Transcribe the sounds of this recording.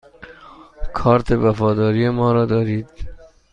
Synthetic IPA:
kʰɒːɾt̪ʰevæfɒːd̪ɒːɾiːjemɒːɾɒːd̪ɒːɾiːd̪̥

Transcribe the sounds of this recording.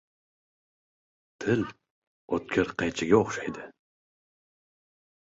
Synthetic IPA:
t̪ʰɪl | ot̪̚kʲʰɪɾqʰɑjt͡ʃʰɪɡʲaoχʃajd̪ɨ

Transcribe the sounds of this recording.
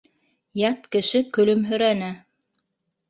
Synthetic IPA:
jɑt̪kɘ̆ʃɘkɵ̆lɵmɦɵ̆ɾænæ

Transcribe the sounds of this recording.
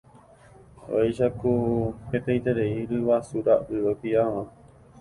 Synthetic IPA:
o̰jʃakupet̪ẽjt̪eɾeiɾɨʋasuɾaʔɨopiaʋã

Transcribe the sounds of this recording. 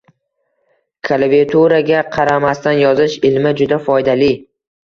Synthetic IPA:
kʰalavet̪ʰuɾaɡʲaqʰɑɾamast̪anjɒzɪʃɪlmɪd͡ʒʊd̪afɒjd̪ali

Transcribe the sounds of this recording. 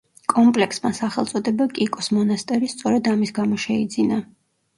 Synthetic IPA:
kʼɔmpʼlɛksmasaχɛlˠt̪sʼɔd̪ɛbakʼikʼɔsmɔnast̪ʼɛɾist̪sʼɔɾɛd̪amisɡamɔʃɛid̪zina

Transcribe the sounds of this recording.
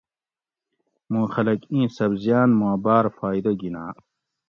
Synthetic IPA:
mũːxɐlɐkĩːsɐbzjaːnmũɐbaːɾfaːid̪ɐɡinaː

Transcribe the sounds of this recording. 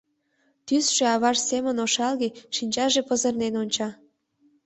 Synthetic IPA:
t̪ysʒ̥eɑβɑrsemənoʃɑlɣeʃinʲt͡ɕɑʒepəzərnenonʲt͡ɕɑ

